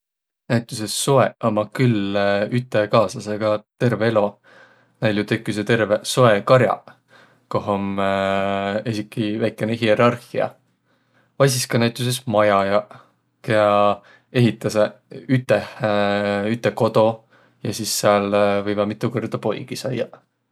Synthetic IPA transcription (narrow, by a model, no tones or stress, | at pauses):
næjt̪ʲˑuse̞ssoeʔɑmɑkylyt̪ːˑe̞kɑːsɑse̞ɡ̥ɑt̪e̞rveelo̞ | næljut̪e̞kːˑis̬et̪e̞rve̞so̞e̞kɑɾjɑ̰ | koɦom | esikːˑivæjkːˑeneɦie̞ɾɑrhiɑ̰ | vɑjs̬iskɑnæjt̪ˑus̬e̞smɑjɑjɑ | keɑ | e̞ɦit̪ːˑɑseyt̪ːˑeh | yt̪ːˑe̞ko̞d̪̥o̞ | jɑsisːeɑlvɤjvɑmit̪ːˑukord̪̥ɑpo̞jɡ̥isɑjːɑ